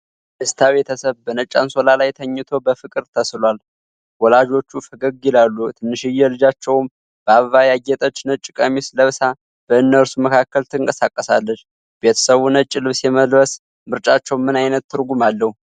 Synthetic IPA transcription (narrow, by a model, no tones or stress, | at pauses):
ʔɨst̪ʰaβe̞t̪ʰəsəβbənət͡ʃʼːa̰nso̞lalajt̪ʰəɲːɨt̪ʰo̞bəfɨkʼɨɾt̪ʰəslwal | wɔlad͡ʒo̞t͡ʃːufəɡəɡilalːut̪ʰɨnːɨʃɨjːɛlɨd͡ʒat͡ʃːɛwm | b̥əaβvajaɡɛt̪ʼət͡ʃːnət͡ʃʼːɪkʼəmisləβsa | b̥əɨnːəɾsuməkʰakːəlt̪ʰɨɨŋkʼəsakʼːəsalːət͡ʃː | be̞t̪ʰə̥səβunət͡ʃʼːɪlɨβsjɛməlɾəs | mɨɾt͡ʃʼat͡ʃːɛwmɨnajnət̪ːɨɾɡumalːəhu